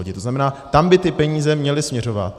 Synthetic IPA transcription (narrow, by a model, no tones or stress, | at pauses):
oɟɪt̪oznamɛnaːt̪ambɪt̪ɪpɛɲiːzɛmɲɛlɪsmɲɛro̞va̰t̪̚